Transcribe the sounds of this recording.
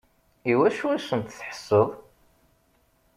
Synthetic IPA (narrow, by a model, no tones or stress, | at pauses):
iwæʃuæsənt̪θħə̥sːəðˤ